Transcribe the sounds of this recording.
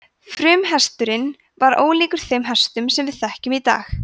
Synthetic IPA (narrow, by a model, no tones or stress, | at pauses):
fɾʏːmɦɛst̪ʏɾɪn | vaɾo̰ːwliːkʏɾ̥θejmɦɛst̪ʏmsɛmvɪðθɛhcʏmit̪a̰ːx